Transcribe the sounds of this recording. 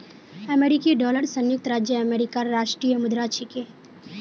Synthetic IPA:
ɐmeːɾɪkiɖɔːləɾsɐ̃njʊk̚t̪ɾaːd͡ʒjəɐmeːɾɪkaɾːaːʃʈɾijəmʊd̪ɾaːt͡ʃʰike

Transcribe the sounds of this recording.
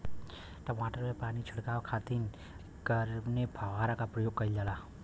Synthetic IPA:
ʈɔmaʈərlepanit͡ʃʰəɽkawkʰat̪in | kʌɾnebʱawaɾakapɾʌjoɡ̚kʌiljala

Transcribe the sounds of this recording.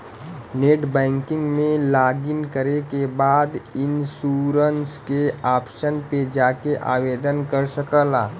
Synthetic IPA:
neːʈbɛ̃ːŋkɪ̃ŋɡmẽlaːɡɪnkəɾekebaːd̪ɪnsuːɾənskeaːpʃənped͡ʒaːkeʔa̰ːʋeːd̪ənkəɾsəkəlaː

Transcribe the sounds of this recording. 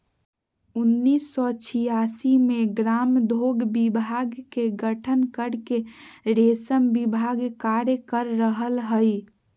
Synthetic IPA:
unːisːɔt͡ʃʰijasimeɡɾamd̪ʱoɡbibʱaɡkeɡəʈʰənkəɾkeɾesəmbibʱaɡkaɾjəkəɾːəɦəlɦəj

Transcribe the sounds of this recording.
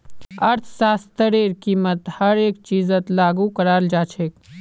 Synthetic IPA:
ɐɾt̪ʰsaːst̪əɾeːɾkiːmət̪hɐɾeːk̚t͡ʃiːzət̪laːɡukɐɾaːld͡ʒaːt͡ʃʰeːk

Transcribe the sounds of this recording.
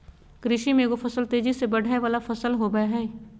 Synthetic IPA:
kɾɪʃiːmẽːɡopʰəsəlt̪eːd͡ʒisebəɽʱaːeʋaːlaːpʰəsəlɦoːɡəaɦɛː

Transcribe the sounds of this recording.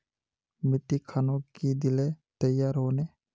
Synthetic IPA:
mɪt̪ːikʰaːnõkid̪ɪlet̪əjaːɾɦoːneː

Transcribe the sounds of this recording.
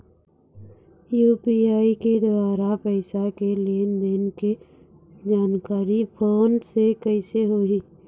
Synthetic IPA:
juːpiaːiked̪waːɾapəɪsakelend̪enke | d͡ʒaːnkaːɾipʰoːnsekəɪseɦoi

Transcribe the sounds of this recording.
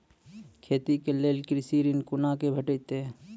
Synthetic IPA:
kʰeːt̪ikeleːlkɾɪsiːɾinkʊnakebʱəʈət̪e

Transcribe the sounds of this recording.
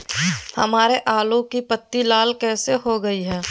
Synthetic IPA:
hɐ̰maːɾeʔaːlõkipət̪ːilaːlkɛːseɦoɡɐiɦɛː

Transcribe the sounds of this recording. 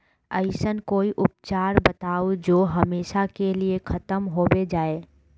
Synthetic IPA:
əɪsənkoːiʔʊp̚t͡ʃaːɾbɐt̪aːod͡ʒoːɦɐmeːʃakeliekʰɐt̪əmɦoːbed͡ʒaːeː

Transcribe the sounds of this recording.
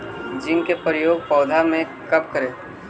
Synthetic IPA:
d͡ʒɪ̃ŋkepɾəjoːɡ̚pɔːd̪ʱamẽ | kɐpkəɾẽː

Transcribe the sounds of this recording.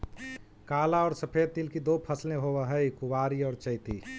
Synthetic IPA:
kaːlaɔːɾsəpʰeːd̪̚t̪ilkid̪opʰəslẽɦowəɦəjkʊʋaːɾiɔːɾt͡ʃəɪt̪i

